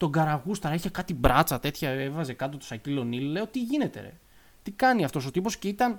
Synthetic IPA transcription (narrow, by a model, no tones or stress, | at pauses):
t̪o̞ɡɐɾɐɣust̪ɐɾeçekɐt̪ibɾɐt͡sɐt̪e̞t̪çɐevɐze̞kɐt̪̬ot̪o̥sɐcilo̞nille̞o̞t̪iʝine̞t̪e̞̰ɾḛ | t̪ikɐniɐft̪o̞so̞t̪ipo̞sce̞it̪ɐn